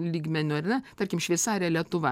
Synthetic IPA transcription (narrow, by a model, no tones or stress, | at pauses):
lʲiːɡmʲɛnʲʊɐrnʲɛt̪ɐɾʲkʲɪmʃʲʋʲɛɪsɑːɾʲɛlʲiɛt̪ʊʋɐ